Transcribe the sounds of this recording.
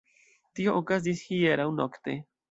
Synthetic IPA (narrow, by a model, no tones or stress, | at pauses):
t̪ioʔokas̬d̪isxijeɾaunokt̪e